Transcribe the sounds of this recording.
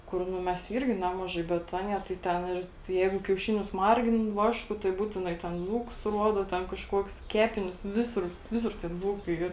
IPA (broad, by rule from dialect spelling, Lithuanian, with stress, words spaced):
ˈkʊr ˈnʊ ˈmʲɛs ˈiːrʲɡʲɪ ˈnʲæːmɐʒɐɪ bʲɛt ˈɑːnʲiɛ tɐɪ ˈtʲɛn ɪr ˈjɛɪɡʊ kʲɛʊˈʃʲɪnʲʊs ˈmɐrʲɡʲɪn ˈʋɑːʃkʊ tɐɪ ˈbuːtʲɪnɐɪ tʲɛn ˈd͡zuːkʊs ˈruɔdoː ˈtʲɛn kɐʃˈkuɔks ˈkʲæːpʲɪnʲʊs ˈʋʲɪsʊr ˈʋʲɪsʊr tʲɪk ˈd͡zuːkɐɪ ˈiːr